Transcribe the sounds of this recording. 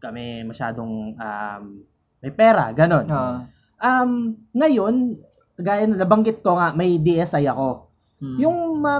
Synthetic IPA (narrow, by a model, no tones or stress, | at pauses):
kɐmɛmɐʃa̰ːd̪o̞ŋʔa̰mː | ɐjpɛːɾɐ̰ɡɐno̞no | ʔɐmŋɐjo̞n | ɡaːjɐnːɐlɐbɐŋɡɪt̪̚ko̞ŋaʔmɐjd̪iʔɛsʔɐjɐko̞ | jʊŋmɐ